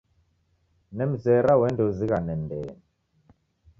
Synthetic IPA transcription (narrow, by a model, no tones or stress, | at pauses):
nɛm̩zɛɾawɛndoziɣanɛndɛ̰ːnɛ